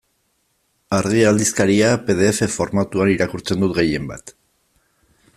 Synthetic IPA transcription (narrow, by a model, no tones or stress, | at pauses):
aɾɣiald̪iskaɾiape̞ðe̞ːfe̞fo̞ɾmat̪uaniɾakuɾt͡se̞nd̪ut̪ɣe̞je̞mba̰t̪